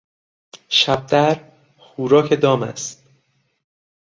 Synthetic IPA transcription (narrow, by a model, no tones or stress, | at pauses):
ʃæb̚d̪æɾ | xuːɾɒːcʰe̞d̪ɒːmæ̰st̪